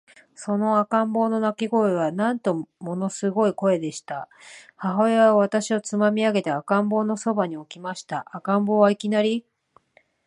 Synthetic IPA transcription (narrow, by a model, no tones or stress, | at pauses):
so̞no̞akãmbo̞ːno̞nakʲiɡo̞eβanãnt̪o̞mo̞no̞sɨɡo̞iko̞e̞d̪e̞ɕi̥t̪ahaɦo̞eβaβat̪aɕio̞t͡sɨmamʲiaɡe̞t̪eakãmbo̞ːno̞so̞baɲ̟io̞kʲimaɕi̥t̪aʔakãmbo̞ːβaikʲinaɾʲi